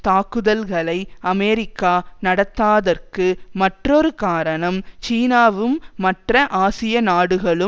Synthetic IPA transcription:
t̪aːkːɯðɐlɣɐɭɐɪɐmeːɾɪkːaːnɐɽɐt̪ːaːðɐrkɯmɐʈrɔɾɯkaːɾɐɳɐmt͡ʃiːnaːʋɯmːɐʈrɐʔaːsɪjɐnaːɽɯɣɐɭɯ

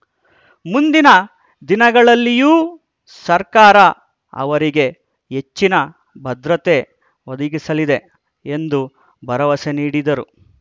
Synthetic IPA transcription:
mund̪inɐ | d̪inɐɡɐɭɐlːijuː | sɐɾkaːɾɐ | ɐ̰ʋɐɾiɡe̞ | ɦet͡ʃːinɐ | bʱɐd̪ɾɐt̪e | od̪ɐɡisɐlid̪e̞ | end̪u | bʱɐɾɐʋɐseniːɽid̪ɐɾu

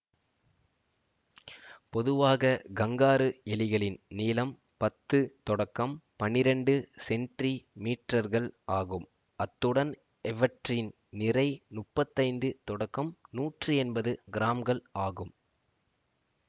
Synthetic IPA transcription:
pɔðɯʋaːɣɐɡɐŋɡaːɾɯɛlɪɣɐɭɪnniːlɐm | pɐt̪ːɯt̪ɔɽɐkːɐmpɐnɪɾɛɳɖɯsɛɳʈrimiːʈrɐɾɣɐɭaːɣɯm | ɐt̪ːɯɽɐn | ɛʋɐʈrɪn | nɪrɐɪnʊʈpːɐt̪ːɐɪnd̪ɯt̪ɔɽɐkːɐmnuːʈrɯɛnbɐðɯɡɪɾaːmɡɐɭaːɣɯm

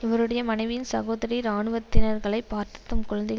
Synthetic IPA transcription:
ɪʋɐɾɯɽɐjɐmɐnɐɪʋɪjɪnsɐɣoːðɐɾiɾaːɳɯʋɐt̪ːɪnɐɾɣɐɭɐɪpːaːɾt̪ɪ̥t̪ːɐmkʊɻɐnd̪ɪɣɐ

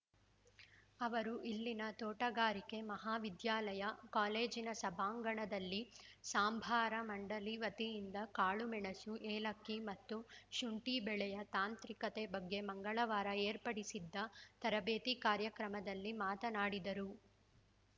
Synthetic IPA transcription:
ɐʋɐɾuʔilːinɐt̪oːʈɐɡaːɾike̞mɐɦaːʋid̪jaːlɐjɐkaːleːd͡ʒinɐsɐbʱaːŋɡɐɳɐd̪ɐlːisaːmbʱaːɾɐmɐɳɖɐliʋɐt̪ijind̪ɐkaːɭumɛɳɐsuʔeːlɐkːimɐt̪ːuʃuɳʈibɛɭɛjɐt̪aːnt̪ɾikɐt̪ebɐɡːe̞mɐŋɡɐɭɐʋaːɾɐeːɾpɐɽisid̪ːɐt̪ɐɾɐbeːt̪ikaːɾjɐkɾɐmɐd̪ɐlːimaːt̪ɐnaːɽid̪ɐɾu

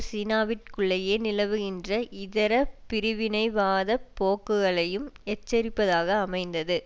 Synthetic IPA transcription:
siːnaːʋɪʈ̚kɯɭːɐjeːnɪlɐʋɯɣɪndrɐʔɪðɐɾɐpɪɾɯʋɪnɐɪʋaːðɐpːoːkːɯɣɐɭɐjɯmɛt͡ʃːɐɾɪpːɐðaːɣɐːmɐɪnd̪ɐðɯ

